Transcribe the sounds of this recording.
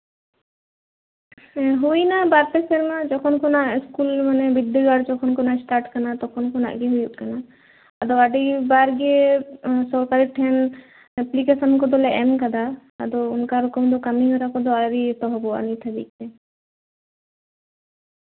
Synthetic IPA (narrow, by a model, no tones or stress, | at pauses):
ɦujnabaɾt̪eseɾmad͡ʒɔkʰɔnkʰɔnaʔskulmanɛbid̪ːuɡaɽt͡ʃɔkʰɔnkɔnasʈaɾʈkanat̪ɔkʰɔnkʰɔna̰ʔɡeɦujuʔ̚kanaː | d̪ɔaɖibaɾɡiesɔɾkaɾiʈʰɛn | ɛplikesɔnkɔd̪ɔlɛɛmkad̪a̰ːd̪ɔunkaɾɔkɔmd̪ɔkamiɦɔɾakɔd̪ɔaɾit̪ɔɦɔbɔa̰nit̪ʰab̪ḭk̚t̪ɛ